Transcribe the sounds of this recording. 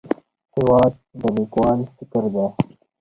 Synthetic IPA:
hɪwɑːd̪̚d̪əlikwɑːnfɪkəɾd̪e

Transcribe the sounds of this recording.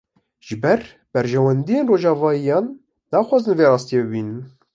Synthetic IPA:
ʒ̥ɨbɛɾ | b̥ɛɾʒɛwɛnd̪ijeːnroːʒɑːvɑːjijɑːnː | ɑːxʷwɑːzɨnveːɾɑːst̪ijebɨbiːnɨn

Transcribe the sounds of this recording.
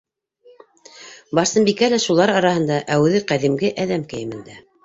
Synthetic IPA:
bɑɾsɤmbikælæʃulˠɑɾɑɾɑhɤ̆nd̪ɑʔæwɘ̆ðɘqæðimɡɘʔæðæmkɘ̆jɘ̆mɘ̆nd̪æ

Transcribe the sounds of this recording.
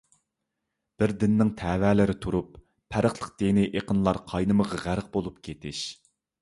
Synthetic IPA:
b̥ɪɾd̪ɪnːɪŋt̪ʰɛːvɛːlɪɾɪt̪ʰuɾupʰː | æɾəχlˠəq̚d̪̥enɪʔeqənlˠɑɾqʰɑjnɨməʁɑʁæɾəq̚bolˠup̚kʲʰet̪ɪʃ

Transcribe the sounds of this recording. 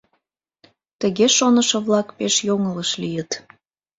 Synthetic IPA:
t̪əɣeʃonəʃəβlɑkpeʃjoŋələʃlijət̪

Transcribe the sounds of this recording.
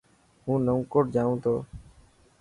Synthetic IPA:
ɦũːnəũkoːʈd͡ʒaːũːt̪ʰoː

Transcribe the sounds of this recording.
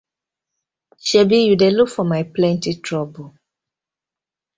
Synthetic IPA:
ʃɛbijudelukfɔmajplɛ̃ntitʰɹɔbo

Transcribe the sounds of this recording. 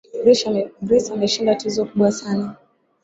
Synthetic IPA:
ɾiʃaɛɡɾisamɛʃindatizɔkuɓwasana

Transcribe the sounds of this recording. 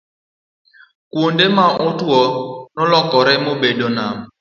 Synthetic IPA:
kondemaʔʊtuɔnɔlɔkɔɾɛmobedɔnam

